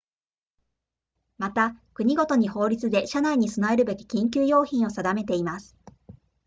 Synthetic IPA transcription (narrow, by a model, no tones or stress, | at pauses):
mat̪akɯ̟ɲ̟iɡo̞t̪o̞ɲ̟iho̞ːɾʲit͡sɨd̪e̞ɕanaiɲ̟isonae̞ɾɯ̟be̞kʲi̥kʲĩŋk̬ʲɨːjo̞ːçĩɰ̃o̞sad̪ame̞t̪e̞imasɨ̥